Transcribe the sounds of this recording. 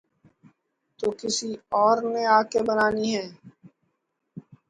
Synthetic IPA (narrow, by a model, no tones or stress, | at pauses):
t̪oːkɪsiɔːɾneːaːkebənaːniːɦɛː